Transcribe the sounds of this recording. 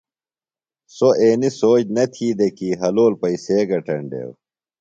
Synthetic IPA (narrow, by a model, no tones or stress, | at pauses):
soeːnisoːd͡ʑnɐt̪ʰiːd̪ekiɦɐloːlpɐiseːɡɐʈɐɳɖḛːw